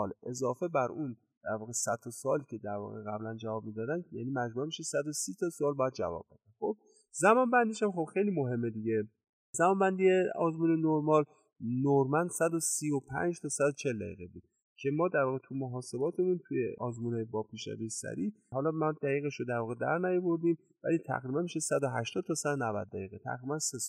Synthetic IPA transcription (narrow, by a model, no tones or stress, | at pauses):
ɒlʔe̞zɒːfe̞bæɾun | d̪̥æɾvɒːɣe̞sæt̪ʰːɒsɒːlicʰe̞d̪æɾvɒ̰ːɣeɣæblænd͡ʒævɒːb̚miːd̪ɒːd̪ænjæ̰nimæd͡ʒmumiʃesæd̪osiːt̪ʰɒsoɒːlbɒːjæd̪̚d͡ʒæ̰vɒ̰b̥̚be̞d̪ænxo̞b̚ | zæmɒːnbænd̪eʃæmxo̞b̥xe̞jlimoɦe̞mːe̞d̪iɟe̞ | zæmɒːnbænd̪ieɒːzmuːnenoɾmɒl | noɾmænd̪̥sæd̪osiːopʰæ̰nd͡ʒt̪ʰɒːsæd̪ot͡ʃʰe̞ld̪æ̰jḭɣebuːd̪̚ | cʰe̞mɒːd̪æɾvɒːɣet̪ʰumoɦɒːse̞bɒːt̪ʰe̞munt̪ʰujḛʔɒːzmuːnebɒːpʰiːʃɾæ̰vejesæ̰ɾiː | hɒːlɒːmæd̪̥æɣiːɣeʃɾod̪æɾvɒːɣed̪æ̰ɾnæjoboɾd̪im | væ̰lit̪ʰæ̰ɣɾiːbænmiʃesæd̪oɦæʃt̪ɒːd̪̚t̪ʰɒːsæd̪onævæ̰d̪̚ːæ̰jiɣet̪ʰæ̰ɣɾiːbænses